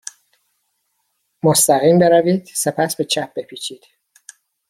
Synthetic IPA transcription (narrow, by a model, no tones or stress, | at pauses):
most̪æɣiːmbe̞ɾæviːd̪̥se̞pʰæsbe̞t͡ʃʰæp̚be̞pʰiːt͡ʃʰiːd̪̥